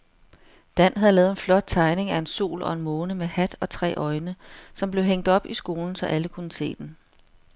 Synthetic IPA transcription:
d̥æn̰ɦæðˠlɛːð̩ˠe̝nflɒ̽d̥̚t͡sʰɑ̈ɪne̝ŋæe̝nso̝̰ːlɒ̽e̝nmoːnəmehæd̥ɒ̽t͡sʰʁɛ̰ːʔɒ̽ɪnəsɒ̽mb̥le̝ʊɦeŋ̰d̥ɒ̽b̥isɡ̥o̝ːln̩sɒ̽ʔæləkʰunəse̝̰ːd̥en

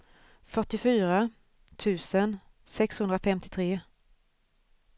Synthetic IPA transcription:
fœʈːɪfyːɾa | t̪ʰʉ̟ːsən | sɛkshɵnd̪ɾafɛmt̪ɪt̪ʰɾeː

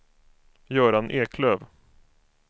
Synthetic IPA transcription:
jœːɾanʔeːkʰløːv

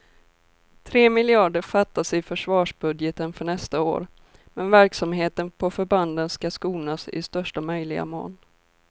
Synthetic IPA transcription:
t̪ʰɾeːmɪlɪɑːɖəɾfat̪ːasɛfœʂvɑːʂbɵd̪jət̪ənfœɳɛst̪ao̰ːɾ | mɛnvæɾksamɦeːt̪ənpʰɔfœɾband̪ənskaskuːnasɪ̰st̪œʂʈamœjlɪɡa̰mo̰ːn

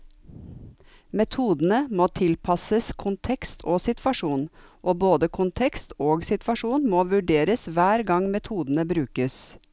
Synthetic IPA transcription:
mɛt̪ʰuːd̪n̩əmoːt̪ʰɪlpʰɑsəskʰʊnt̪ʰɛkst̪ʰoːsɪt̪ʰʋɑʂuːnʔoːboːd̪əkʰʊnt̪ʰɛkst̪oːɡsɪt̪ʋɑʂuːnmoːʋʉɖeːɾəsʋæːɾɡɑŋmɛt̪ʰuːd̪n̩əbɾʉːkəs

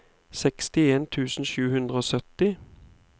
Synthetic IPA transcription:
sɛkst̪ɪeːnt̪ʰʉːsn̩ʃʉːhʉnd̪ʁəoːsœt̪ɪ

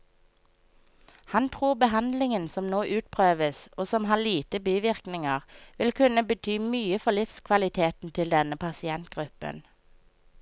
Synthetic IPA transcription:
hɑnt̪ʰʁuːʁbəhɑnd̪lɪŋənsɔmnoːʔʉːt̪pʰʁøːʋəsoːsɔmhɑːliːt̪əbyːʋɪʁknɪŋəʁʋɪlkʰʉnəbət̪ʰyːmyːəfɔlɪfskʰʋɑlɪt̪ʰeːt̪n̩t̪ʰɪld̪ɛnəpʰɑsɪɛnt̪̚ɡ̥ʁʉpə̰n

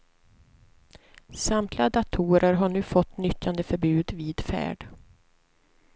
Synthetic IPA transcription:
samt̪ʰlɪad̪at̪ʰuːɾəɾɦaɳʉ̟ːfɔt̪ːnʏt̪ːand̪əfœɾbʉ̟ːd̪viːd̪fæ̰ːɖ

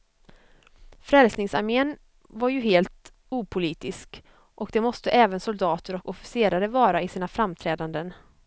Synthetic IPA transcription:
fɾɛlsnɪŋsaɾmeːn | vaɾjɵɦeːlt̪ | uːpʰʊliːt̪ɪsk | ʔɔkd̪ɛmɔst̪əʔɛːvənsʊld̪ɑːt̪əɾɔkɔfɪ̥seːɾaɾəvɑːɾaɪsiːnafɾamt̪ʰɾɛːd̪and̪ən

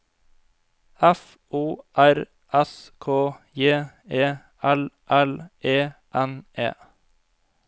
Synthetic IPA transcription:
ɛf | ʔuːʔæɾ | ʔɛskʰoːjeː | eː | ʔælʔælʔeːʔɛnʔḛː

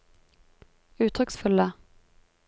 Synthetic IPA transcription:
ʉːt̪ʰʁʏksfɵlə

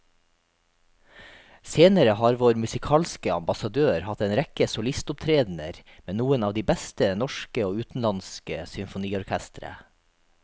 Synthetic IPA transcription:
seːnəɾəhɑːɾʋoːɾmʉsɪkʰɑːlskəɑ̰mbɑsɑd̪øːɾhɑt̪eːnɾɛkəsʊlɪst̪ʊp̚t̪ʰɾeːd̪n̩ə̰ɾmeːnuːənɑːʋd̪iːbæst̪ənɔʃkəoːʉːt̪n̩lɑnskəsʏmfʊniːɔɾkʰæst̪ɾə̰

